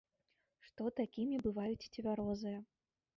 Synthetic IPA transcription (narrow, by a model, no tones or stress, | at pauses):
ʂt̪ɔt̪akʲimʲibɨvajut͡sʲit͡sʲɪvʲaɾɔzɨjɐ